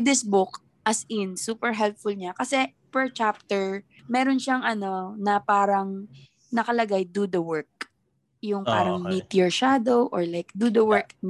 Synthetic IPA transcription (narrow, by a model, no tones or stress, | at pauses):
d̪ɪsbʊk | ʔɐsɪnsuːpɛɹɦɛlp̚fʊlɲakɐsɛ | pɛɹt͡ʃap̚t̪ɛɹ | mɛːɾonʃaŋʔɐno̞nɐpaːɾɐŋ | nɐkɐlɐɡajd̪ud̪ɐwɛɹk̚ | jʊŋpaːɾɐŋmit̪jɔɹʃad̪owʔɔɹlajk̚d̪ud̪ɐwɛɹkn